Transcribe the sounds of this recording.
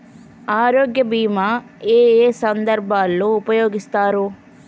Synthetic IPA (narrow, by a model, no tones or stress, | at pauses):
aːɾoːɡjɐbiːma | eːeːsɐnd̪ɐɾbʱaːlːoːupɐjoːɡist̪aːɾu